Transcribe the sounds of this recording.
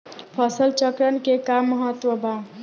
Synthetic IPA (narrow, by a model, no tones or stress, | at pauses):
pʰəsəlt͡ʃəkɾənkekamːəɦət̪wəbʱa